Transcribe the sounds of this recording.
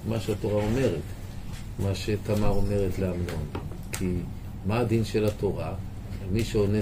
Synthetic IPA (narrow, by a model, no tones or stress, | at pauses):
maʃeat̪o̞ʁaome̞ʁet̪ | maʃet̪amaome̞ʁet̪leamno̞n | kʰi | maad̪inʃe̞lato̞ʁa | lmiʃeone